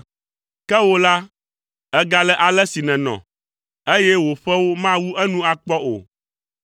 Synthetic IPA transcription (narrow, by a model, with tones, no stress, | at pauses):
kɛ˦wo˦la˦ | ɛ˦ɡa˨lɛ˦ʔa˨lɛ˦si˨nɛ̃˨nɔ̰̃˨ | e˦jɛ˦wo˨ɸɛ˦wo˦mã˦wu˦ʔɛ˦nũ˦a˨k͡pɔ˦o̰˨